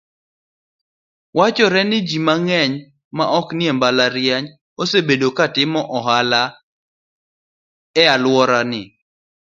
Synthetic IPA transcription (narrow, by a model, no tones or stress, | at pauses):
wat͡ʃɔɾɛnɪd͡ʒimaŋɛɲ | maʔɔknɪembalaɾjaɲ | osebedokatɪmɔʔɔɦala | ɛalwɔɾanɪ